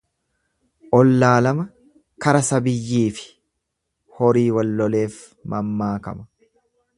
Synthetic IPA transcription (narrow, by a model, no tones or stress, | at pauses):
ʔɔlːaːlɐmɐ | kɐɾɐsɐbɪjːiːfɪ̥ | hɔɾiːwɐlːɔle̞ːf | mʔɐmːaːkɐ̰mɐ̥